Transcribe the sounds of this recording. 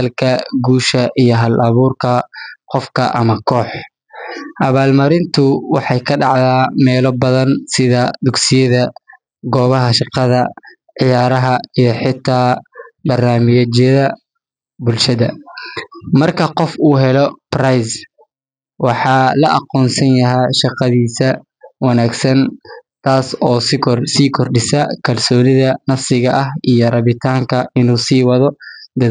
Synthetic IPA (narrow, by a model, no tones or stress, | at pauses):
ɐlkʰɐɡuːʃɐʔijɞɦɐlʔɐβuːrkʰɐqɔfkʰɐ̰ʔɐmɐkʰɔːħ | ʔɐβaːlmɐɾɪnt̪ʰʊwɑħɑjkʰɐɖɑʕðaːmɛːlɔbɐðɐnsɪðɐd̪ʊɡsɪjɐðɐ | ɡɔːβɐɦɐʃɑqɑðɐ | ʕɪjaːɾɐɦɐijɞħɪt̪ʰːaːbɐrnaːmɪjɐt͡ʃjɐðɐ | bʊlʃɐðɐ | mɐrkʰɐqɔfuːɦɛlɔprajs | wɑħɑːlɐʔɑ̰qɔːnsɐnjɐɦɛjʃɑqɑðiːsɐ | wɑnaːɡsɐnt̪ʰaːsɔːssiːkʰɔrɖɪsɐkʰɐlsɔːnɪðɐnɐfsɪɣɐʔɐhʔijɔrɑβɪt̪ʰaːŋkʰɐʔɪnuːsiːwɑðɔd̪ɐ